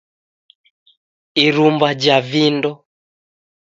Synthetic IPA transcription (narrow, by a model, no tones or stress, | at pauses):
iɾumbad͡ʒavindɔ